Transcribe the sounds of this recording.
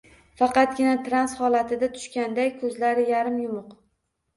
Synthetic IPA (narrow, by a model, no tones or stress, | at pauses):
fɑqɑt̪ɡʲɪnat̪ʰɾanshɒlat̪ʰɪd̪at̪ʰʊ̥ʃkʲand̪ajkʰɵzlaɾɪjaɾɪmjʊmʊq